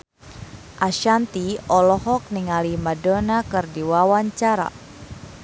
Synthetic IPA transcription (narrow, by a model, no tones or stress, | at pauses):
ʔaʃant̪iɔlɔɦɔk̚niŋalimadonakɨrdiwawaɲt͡ʃaɾa̰